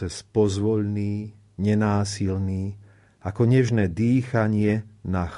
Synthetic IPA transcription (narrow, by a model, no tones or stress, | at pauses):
ɛspɔzʋɔʎniː | ɲɛnaːsilniː | ʔakɔɲɛʒnɛːd̪iːxaɲɪɛnax